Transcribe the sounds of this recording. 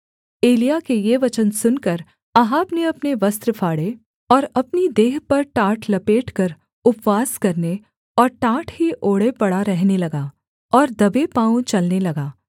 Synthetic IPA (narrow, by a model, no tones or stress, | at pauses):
eːlijakejeʋɐt͡ʃənsʊnkɐɾ | ɐɦaːpneɐpneʋɐst̪ɾəfʰaːɽe | ɔːɾɐpnid̪eːɦpɐɾʈaːʈʰlɐpeːʈʰkɐɾ | ʊpʋaːskɐɾne | ɔːɾʈaːʈʰɦiʔoːɽepɐɽaɾɛɦnelɐɡaː | ɔːɾd̪ɐbepãːũt͡ʃɐlnelɐɡaː